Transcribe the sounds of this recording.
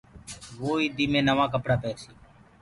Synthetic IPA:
ʋoːiːd̪iːmẽːnəʋãːk̬əpɽaːpɛːsiː

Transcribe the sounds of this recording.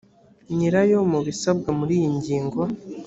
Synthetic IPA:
ɲiɾajomuβisab̚ɡamuɾiːjiɲɟiːŋɡa

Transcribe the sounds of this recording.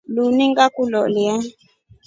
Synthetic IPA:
luniŋɡakulɔ̰liɛ

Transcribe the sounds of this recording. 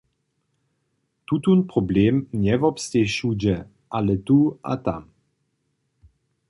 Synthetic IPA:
t̪ut̪unpʁobleːmnjɛvɔpst̪eʃud͡ʒə | ʔalət̪ua̰t̪a̰m

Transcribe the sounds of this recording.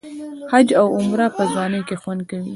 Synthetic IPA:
had͡ʒawʊmɾapəzwɑnəjkexwand̪̚kawi

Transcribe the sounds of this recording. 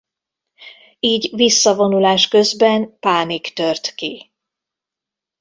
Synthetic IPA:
iːɟvisːɒvo̞nulaːʃkø̞zbɛnpaːnikt̪ørt̪ki

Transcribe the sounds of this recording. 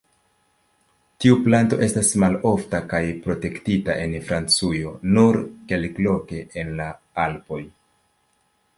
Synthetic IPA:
tiuplanto̞ʔe̞stasmalo̞ftakajpɾo̞te̞ktitaʔe̞nfɾant͡sujo̞nuɾke̞lklo̞ke̞ʔenla | alpo̞j

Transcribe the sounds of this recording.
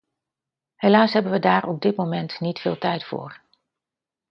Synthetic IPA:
helaːsɦɛbənʋədaːɾʔɔb̚dɪt̚momɛntnitfɪ̰ːlˠtɛjtfʊ̰ːɹ

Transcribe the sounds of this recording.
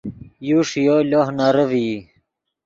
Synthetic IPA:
juʂjolohnaɾəvi

